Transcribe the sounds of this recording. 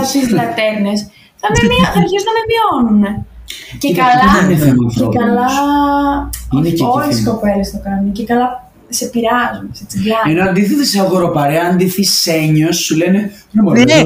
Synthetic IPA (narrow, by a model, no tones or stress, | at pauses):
ɐsizlɐt̪eɾnes | θɐmemiɐɾçeznɐmepio̞nunecekɐlineθemɐfekɐlɐ | inecolesko̞pe̞lest̪okɐnice̞kɐlɐ | se̞piɾɐzunset͡sivlɐenoɐnd̪iθet̪eseɐɣoɾopɐɾeɐɐnd̪iθiseɲosːulenenomo